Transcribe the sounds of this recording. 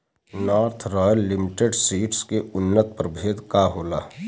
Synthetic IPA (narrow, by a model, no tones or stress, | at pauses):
nɔːɾt̪ʰɾɔːjəlːɪmɪʈeɖsiːʈskeʊnːət̪̚pəɾbʱeːd̪kaɦoːlaː